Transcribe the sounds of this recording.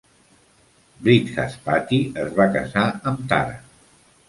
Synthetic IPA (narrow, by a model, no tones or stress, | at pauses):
bɾit̪ka̰spat̪iəzβakə̰zaəmt̪a̰ɾə̰